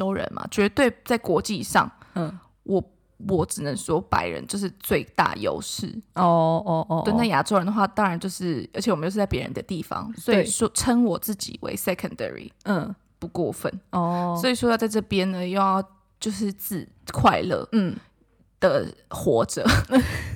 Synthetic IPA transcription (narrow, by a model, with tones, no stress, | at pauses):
ʈ͡ʂo˥ʊɻə̰˧˦nma̰˨t͡ɕɥɛ˧˦t̪we˥˩ɪt͡sa˥˩ɪkwɔ˧˥t͡ɕi˥˧ʂɑ̰˥˩ŋ˩ | wʔɔ˨˩ | wɔ˨˩ʈ͡ʂɻ̩˨˩nə˧˦ŋʂwɔ˥pa̰˨˥ɪɻə̰˧˦nt͡ɕo˥˧ʊʂ̬ɻ̩˥˧t͡swe˥˧ɪt̪a̰˥˩jo̰˧˥ʊʂɻ̩˥˩ɔ˧wə˥˩na˥˩ja˨˥ʈ͡ʂo˥ʊɻə˧˦nd̪ə˩xwa˥˩t̪ɑ˥ŋɻa˧˦nt͡ɕjo˥˧ʊʂɻ̩˥˩ʔə˧˥t͡ɕʰɕʰwjo˥˧ʊʂ̩˥t͡sa˥˩ɪpjɛ˧˥ɻə̰˧˦nd̪ə˧t̪i˥˩fɑ̰˨ŋswɔ˧˥i˨˩ʂɔ˥ʈ͡ʂʰə˥ŋwɔ˨˩t͡sɹ̩˥˩t͡ɕḭ˨˩wḛ˧˥ɪsɛ˧˥kʰə˥˨nd̪ə̰˨ɹḭ˨˥˩ | pu˧kwɔ˥˧fə̰˨˩nɔ˥˧swɔ˧˥i˨˩ʂwɔ˥jt͡sa˥˧ɪʈ͡ʂɤ˥˩pjɛ˦nnə˧jo˥˧ʊjɑ˥˧ʊ | t͡ɕjo˥˧ʊʂɻ̩˥˧t͡sɹ̩˥˩ | kʰwa˥˧ɪlə̰˥˩˥ | d̪̥ə˨˩xwɔ˧˥ʈ͡ʂə̰˨˩˦